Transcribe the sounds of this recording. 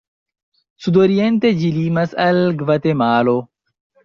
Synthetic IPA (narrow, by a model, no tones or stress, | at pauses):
sud̪oːɾijɐnt̪ed͡ʑiliːmɐsɐlɡʋɐt̪emaːloː